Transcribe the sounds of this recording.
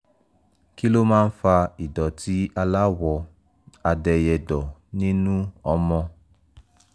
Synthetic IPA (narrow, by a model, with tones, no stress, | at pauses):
ki˦lo˦mãː˦n̩˦fa˧i˨dɔ˨ti˨˦a˧la˦wɔ˧ | a˧dɛ˧jɛ˧dɔ˨nĩ˦nũ˦ɔ˨˦mɔ̃˧